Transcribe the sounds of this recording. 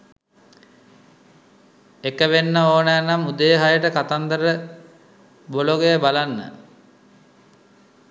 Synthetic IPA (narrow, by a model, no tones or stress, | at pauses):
ekəʋenːəoːnəjnamud̪əjəɦajəʈəkat̪and̪əɾə | boloɡejəbalanːə̰